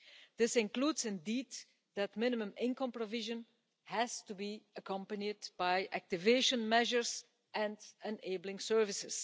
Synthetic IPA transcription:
d̪̥ɪsɪ̃nkluːdzɪ̃ndiːd | dætmɪnɪmə̃mɪ̃ŋkə̃mpɹɔvɪʒə̃n | hæz̥tubiəkʌ̃mpənidb̥ajʔæk̚tɪveːʃə̃nmɛʒəɹz | ʔɛ̃ndə̃neːbl̩ɪ̃ŋsɜɹvɪsɪs

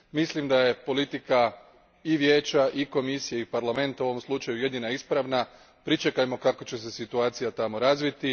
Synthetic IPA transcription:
mislimd̪aje̞po̞lit̪ika | iʋje̞ːt͡ɕaʔiko̞misijeipaɾlˠame̞nt̪ao̞ʋomslˠut͡ʃajuje̞d̪inaispɾaʋna | pɾit͡ʃekajmo̞kako̞t͡ɕe̞se̞sit̪uaːt̪sijat̪amo̞ɾazʋit̪i

